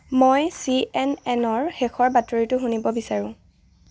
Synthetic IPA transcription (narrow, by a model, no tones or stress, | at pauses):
mojsiɛnɛnɔɹxɛxʰɔɹbatɔɹitʊɦunibɔbisaɹʊ̃